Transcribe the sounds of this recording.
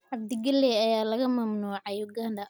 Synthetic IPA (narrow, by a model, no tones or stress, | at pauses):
ʕɑb̚d̪ɪɡɐlːɛɐjaːlɐɣɐmɐmnuːʕɑjɔɡɐndɐ